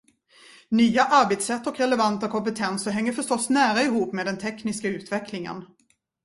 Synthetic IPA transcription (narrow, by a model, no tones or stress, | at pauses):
nyːaʔaɾbet̪sɛt̪ːɔkɾɛlɛvant̪akʰɔmpɛt̪ʰɛnsəɦɛŋːəɾfœʂʈɔsːnæːɾaɪɦuːpːmeːd̪ɛnt̪ʰɛknɪskaʉ̟ːt̪vɛklɪŋə̰n